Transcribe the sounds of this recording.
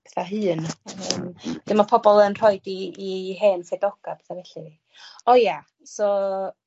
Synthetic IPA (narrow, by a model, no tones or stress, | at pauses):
pɛθaɦɨːnəmd̥ɪmapʰɔbɔlˠənr̥ɔjdiːɦeːnsedɔɡ̥apɛ̥θavɛɬii | ɔja | sɔ